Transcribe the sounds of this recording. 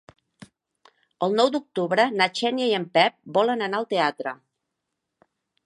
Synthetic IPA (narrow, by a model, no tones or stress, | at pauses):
əlˠnɔwd̪uk̚t̪uβɾənat͡ʃɛnjəjəmpɛp̚bɔlənənaəlˠt̪eat̪ɾə